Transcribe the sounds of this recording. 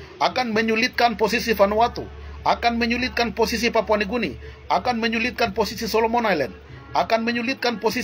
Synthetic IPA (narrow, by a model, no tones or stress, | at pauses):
akanməɲulit̪̚kanposisifanuat̪uakanməɲulit̪̚kanposis̬ipapuaniɡuni | akanməɲulit̪̚kanposisisɔlomɔnajlɛn | akanməɲulit̪̚kanpɔsi